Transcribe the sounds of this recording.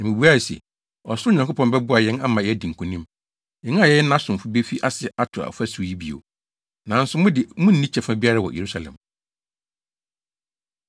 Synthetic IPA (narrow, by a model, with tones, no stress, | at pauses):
nã˨mĩ˨bu˦a˦˨sḛ˨ | ɔ˨sʊ˦ɲã˨kʰo˦pʰɔ̃˨mbɛ˦bʊ˦a˨jɛ̃˦na˦mã˨jɛ˦æ˦dĩ˨ŋ̩˨kʰũ˨nĩ˦m | ɛ̃˨ŋ˦˨jɛ˦jnã˦sʊ̃˨m˨fʊ˨˦be˦fi˦ʔa˦sɪ˨ʔa˦tʰʊ˨a̰˨fæ˦su˨ji˦bi˨o̰˨ | nã˨n˦sʊ˨mʊ̃˦dɪ˨mʊ̃˦n̩˦nĩ˦t͡ɕʰɛ˨fã˦bi˦a˦ɾa˦˨wɔ̰˨jʔe˨ɾu˦sa˨lɛ̰̃˨m